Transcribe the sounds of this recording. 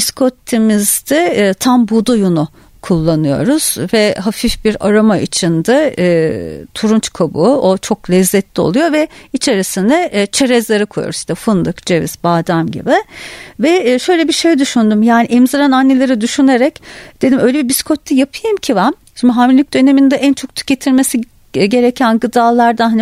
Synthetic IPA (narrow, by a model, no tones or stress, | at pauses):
biskʰot̪ʰːimizd̪ɛt̪ʰambud̪ujunʊ | kʰulˠːanɯjo̞̰ɾuz̥vɛɦafifbiɾa̰ɾamaʔḭt͡ʃʰind̪aː | t̪ʰuɾunt͡ʃkʰabṵot͡ʃʰo̞klʲɛzːɛt̪lʲio̰lˠujo̞vɛit͡ʃʰe̞ɾisinɛt͡ʃʰeɾɛzlʲeɾɯkʰojo̰ɾuziʃt̪ɛfɯnd̪ɯkd͡ʒevḭzbaːd̪æmɟḭbɪvɛʃø̞jlʲebiʃe̞jd̪yʃynd̪umjaːniʔɛmzaɾananːelʲeɾid̪yʃyne̞ɾɛcd̪̥e̞d̪imʔø̞jlʲebibiskʰot̪ʰːʲijapʰɯjɯmcʰivam | ʃimaɦamilʲic̚d̪̥ø̞ne̞mind̪ɛʔænt͡ʃʰo̞k̚t̪ʰy̥cet̪ʰiɾme̞si | ɟe̞ɾecʰænɡɯd̪aːlˠaɾd̪anɦan